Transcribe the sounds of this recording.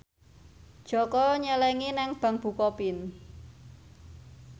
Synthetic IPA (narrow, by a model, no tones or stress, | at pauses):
d̥ʒ̥ɔ̤kɔɲəlɛŋinɛŋb̥ä̤ŋb̥ṳkɔpin